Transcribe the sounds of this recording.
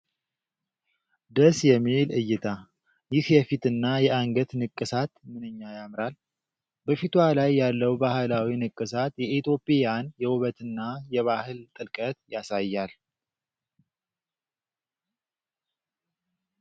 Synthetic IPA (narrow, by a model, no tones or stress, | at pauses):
d̪əsjɛmːilɨjːɪt̪ʰa | jɪhjɛfit̪ɨnːajɛʔaŋɡət̪nɨkʼːɨsat̪mɨnɨɲːajamɾal | bəfit̪ʰwalajːalːəwbahɨlawinɨkʼːɨsat̪jɛʔit̪ʰjo̞pʼejanjɛwʊβət̪ɨnːajɛβahɨlt̪ʼɨlkʼət̪jasajːal